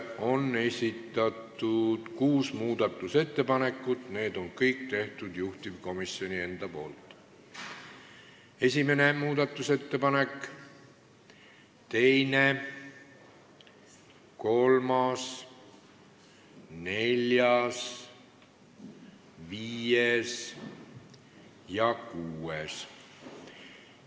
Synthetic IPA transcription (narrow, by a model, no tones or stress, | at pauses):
o̞nːe̞sʲit̪ːˑɑt̪ːˑud̪̥kuːsmuːd̪̥ɑt̪ːˑuse̞t̪ːe̞pɑne̞kːˑut̪ne̞ːd̪̥o̞nkɤjk̚t̪e̞ht̪ud̪juht̪iv̥ko̞misjo̞nie̞nd̪̥ɑpo̞̰ːlt̪ːˑ | e̞sʲime̞ne̞muːd̪ɑt̪ːˑuse̞t̪ːe̞pɑnekːˑ | t̪e̞jne | ko̞lmɑs | ne̞lʲjɑs | viːjes | jɑkuːes